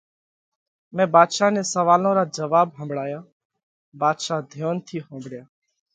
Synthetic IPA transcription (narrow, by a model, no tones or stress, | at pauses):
mɛ̃ːbaːd̪ʃaːneːsəʋaːlõːɾaːd͡ʒəʋaːbɦə̃mbɽaːjaː | baːd̪ʃaːd̪ʱjoːnt̪ʰiːɦə̃ːmbɽjaː